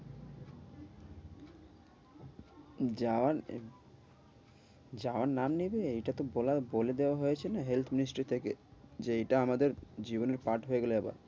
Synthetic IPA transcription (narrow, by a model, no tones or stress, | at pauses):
aa | d͡ʑaoaɾnamnibeejʈat̪obolaboled̪eoaɦojet͡ɕʰenaɦelt̪ʰminisʈɾit̪ʰeked͡ʑeejʈaamad̪eɾd͡ʑiboneɾpaʈɦoeɡoleeba̰ɾ